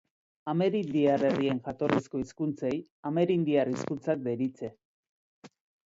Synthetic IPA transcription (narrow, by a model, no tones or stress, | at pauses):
ame̞ɾind̪iare̞rie̞ŋxat̪o̞risko̞iskunt͡se̞jame̞ɾind̪iariskunt͡sak̚d̪e̞ɾit͡se̞